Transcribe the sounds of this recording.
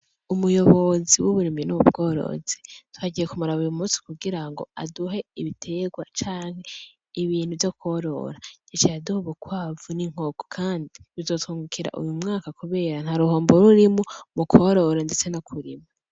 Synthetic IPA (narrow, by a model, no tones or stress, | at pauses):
umujoβoziwuβuɾiminuubɡo̞ːɾo̞̰z̥etwaɟijekumuɾaβujumuːsi̥kuɡiɾaŋɡo̞̰a̰duɦe̞iβitʰe̞ɡwat͡ʃaːŋ̥he̞ | iβiːnhuvjokʰo̞ɾo̞̰ɾaɟet͡ʃejaduhoβukwaːvuniŋ̥oɡo̥kʰaːndiβizo̞thuːŋɡukʰiɾa̰ʔṵjumŋaːkakuβe̞ːɾan̥haɾuɦoːmboɾuɾimumukʰoɾo̞ɾende̞t͡se̞nakʰuɾima